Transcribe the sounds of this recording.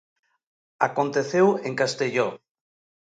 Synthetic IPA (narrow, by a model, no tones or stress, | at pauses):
akont̪eθeweŋkast̪eʎo